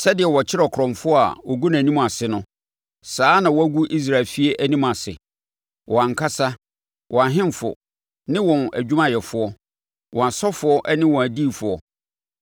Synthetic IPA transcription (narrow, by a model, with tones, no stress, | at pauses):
sɛ˦dɪ˨ɛ˨wɔ˨t͡ɕʰɪ˦ɾɛ˨kʰɾɔ̃˨mfʊ˦ɔ˦a̰˨wɔ˨ɡu˦n˨æ̃˨nĩ˦m˨a˨sɪ˨nʊ̃˦ | saː˦nã˨wɔ˦æ˦ɡu˦ʔi˦s̬ɾa˨lfi˦e˦ʔæ˦nĩ˦m˨a˨sɪ̰˨ | wʔɔ˨ã˨ŋ˨kʰa˦sa˦ | wʔɔ̃˨a˨ɦɪ̃˦mfʊ̰˨ | nɪ̃˦wɔ̃˨næ̰˨d͡ʑᶣu˦mã˦jɛ˨fʊ˦ɔ˦ | wʔɔ̃˨a˨sɔ˦fʊ˨˦ɔ˦ʔnɪ̃˦wɔ̃˨æ˨diː˦˨fʊ˨ɔ˨